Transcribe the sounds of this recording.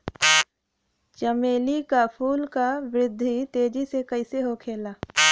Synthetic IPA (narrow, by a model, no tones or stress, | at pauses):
t͡ʃəmeːlikapʰuːlkawɾɪd̪ʱːit̪eːd͡ʒisekəɪseɦokʰeːlaː